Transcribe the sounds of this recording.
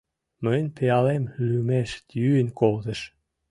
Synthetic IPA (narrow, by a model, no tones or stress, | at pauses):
mənʲpʰeɑlemylymeʃt̪jyːnkʰolt̪ə̆ʃ